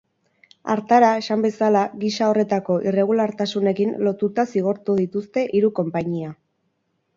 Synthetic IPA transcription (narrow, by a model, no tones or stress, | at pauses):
a̰ɾt̪aɾae̞sambe̞salaɣisao̞re̞t̪ako̞ʔire̞ɣ̞ulaɾt̪asune̞kinlo̞t̪ut̪asiɣ̞o̞ɾt̪uðit̪ust̪e̞ʔiɾuko̞mpaɲia